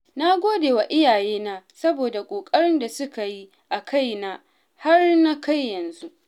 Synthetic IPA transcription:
na˦ɡʷoː˦deː˨wa˨ʔɪ˦jaː˨jeː˦naː˦sɐ˦boː˨da˨kʷʼoː˨kʼɐ˦ɽɪ˦nda˨sʊ˦ka˨ji˦ | ʔa˨kʰa˦˨jna˦ | ha˦rna˦ka˦˨jːɐ˨nzu˦ʔ

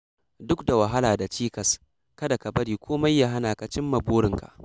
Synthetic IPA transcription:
dʊ˦kda˨wa˨ɦa˦laː˨da˨t͡ʃiː˦kɐ˨s | kɐ˦da˨kɐ˨bɐ˦ɽiː˨kʷoː˦ma˦jːa˦ɦa˦naː˨ka˨t͡ʃɪ˦mːɐ˨boː˦ɽɪ˨ŋka̰˨ʔ

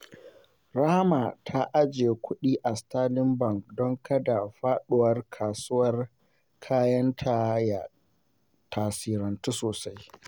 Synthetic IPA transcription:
ɾaː˦ma˨tʰa˦ʔa˦d͡ʒeː˨kʷʰʊ˦ɗiː˦ʔa˨staː˦lɪ˦mbɐ˨ŋkdɔ˦ŋkɐ˦da˨ɸaː˦ɗʊ˨wɐ˦rkʰaː˨sʊ˦wɐ˦r | kʰaː˦jɐ˦ntʰa˨ja˨ | tʰaː˨siː˨ɾɐ˨ntu˦soː˨sa˦j

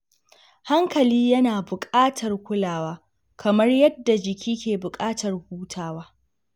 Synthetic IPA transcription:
ha˦ŋkɐ˨liː˦jɐ˦naː˨bʊ˨kʼaː˦tʰɐ˨rkʷʊ˦laː˨waː˦ | kʰɐ˨mɐ˦rjɐ˦dːa˨d͡ʒɪ˨kʲʰiː˦kʲeː˨bʊ˨kʼaː˦tʰɐ˨rhuː˦tʰaː˦waː˦

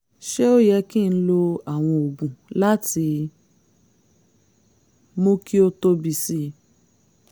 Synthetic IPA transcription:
ʃe˦o˦jɛ˧kĩ˦˨˧lo˧a˨w̃ɔ̃˧o˨ɡũ˨la˦ti˧ | mo˦ki˦o˧to˧bi˨si˧˦

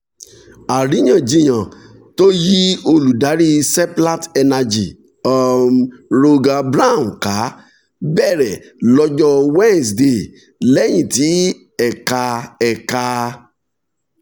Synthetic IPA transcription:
a˨ɾi˨˦j̃ã˦˨d͡ʒĩ˧˦j̃ã˨ | to˦ji˦o˧lu˨da˨˦ɾi˦sɛ˦pla˦tɛ˧na˧d͡ʒi˨ | ɔ˧mɾo˧ɡa˧bɾa˦˨m̩˨ka˨˦ | bɛ˦˨ɾɛ˨ | lɔ˦d͡ʒɔ˦wɛ̃˦n˨sde˧˨ | lɛ˦j̃ĩ˨ti˨˦ | ɛ˨ka˧ɛ˨ka˧

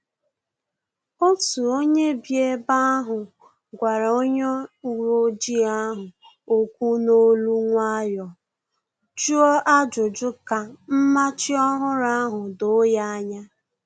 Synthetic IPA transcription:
o˦tu˨o˦ɲe˦bje˦ba˦a˦ɦʊ˨ | ɡʷa˨ɾa˨o˦ɲɔ˦u˨ɾo˦d͡ʒi˦a˦ɦʊ˨ | o˦kʷu˦no˦lu˦ŋʷa˦jɔ˨ | d͡ʒu˦ɔ˦ʔa˦d͡ʒʊ˨d͡ʒʊ˦ka˨m̩˦ma˦t͡ʃɪ˦ɔ˦ɦʊ˦ɾa˦a˦ɦʊ˨do˨˦ja˦ɲa˦

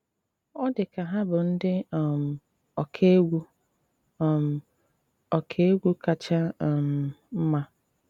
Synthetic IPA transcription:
ɔ˦dɪ˨ka˨ɦa˦bʊ˨n̩˦dɪ˦˨m̩˨ | ɔ˨kʰe˦ɡʷu˦˨ | m̩˨ | ɔ˨kʰe˦e˦ɡʷu˦ka˨t͡ʃa˦˨m̩˨m̩˦ma˦

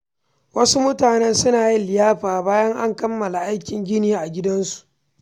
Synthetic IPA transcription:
wɐ˦su˦mʊ˦taː˨nɛ˦nsʊ˦naː˨ji˦lɪ˨jaː˦ɸaː˨baː˦jɐ˦ŋʔa̰˦ŋkɐ˦mːɐ˨la˨ʔa˦jkʲɪ˨ŋɡʲɪ˦niː˦ʔa˨ɡʲɪ˦dɐ˦nsu̥˨ʔ

